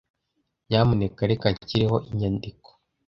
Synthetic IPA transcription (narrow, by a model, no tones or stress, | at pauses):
jamunekaɾekaɲciɾeho̞ʔiɲandiko̥